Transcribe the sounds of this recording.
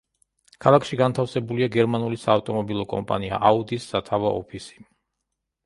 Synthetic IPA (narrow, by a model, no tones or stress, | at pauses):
kʰalˠakʰʃiɡant̪ʰafsɛbuliaɡɛɾmanulisaːft̪ʼɔmɔbilˠɔkʼɔ̰mpʼa̰nia̰ʔaud̪isːat̪ʰavaʔɔ̰pʰisi̥